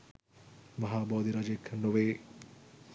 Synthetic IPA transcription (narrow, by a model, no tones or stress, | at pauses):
mɐɦaːbɔːd̪iɾaːd͡ʒeːkʰɐnːoʋeː